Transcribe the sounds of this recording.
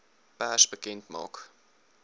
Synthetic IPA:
b̥əɦæʃbəkɛntmɑ̰ːk

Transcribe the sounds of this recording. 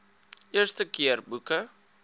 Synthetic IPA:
iərstəkiərbukə

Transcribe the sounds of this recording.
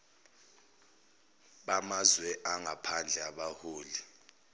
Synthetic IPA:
ɓamazwɛʔaŋʱapʰand͡ɮʱɛaɓahoːli

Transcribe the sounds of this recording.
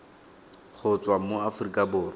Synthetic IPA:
χʊt͡sʼwamoafʊrikʼabʊːrɔ

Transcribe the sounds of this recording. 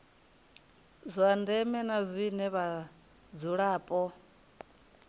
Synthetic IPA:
zʷandɛmɛnazʷinɛβa | d͡zuɺaːpʼɔ

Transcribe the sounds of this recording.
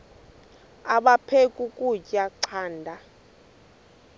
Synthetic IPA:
aɓapʰekʼukʼucʼaǀʰaːndʱa

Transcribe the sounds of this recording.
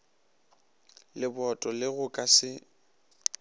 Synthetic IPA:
lɪbɔtʼɔlɪɣʊkʼasɪ

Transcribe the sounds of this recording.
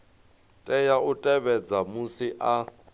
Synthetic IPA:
tʼɛjaʔʊtʼɛβɛd͡zamʊsɪʔa

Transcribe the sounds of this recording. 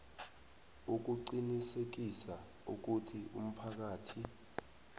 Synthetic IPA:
uk̬uǀinisek̬isa | uk̬utʰiʔṵm̩pʰak̬aːtʰi

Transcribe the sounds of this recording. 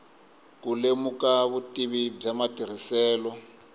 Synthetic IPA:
kulemukaβutʼiβib͡ʐamatir̤isɛːlɔ

